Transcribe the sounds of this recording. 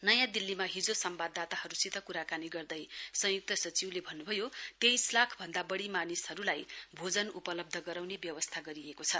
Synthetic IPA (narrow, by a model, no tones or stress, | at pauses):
nʌjãd̪ilːimaɦid͡zosʌmbad̪ʱːat̪aɦʌɾusit̪ʌkuɾakaniɡʌrd̪ʌjsʌ̃juk̚t̪ʌsʌt͡siwlebʱʌnːubʱʌjot̪ejslakʰbʱʌnd̪abʌɽimanishʌɾulajbʱod͡zʌnupʌlʌb̚d̪ʱʌɡʌɾawnebjʌwʌst̪ʰaɡʌɾiekot͡sʰʌ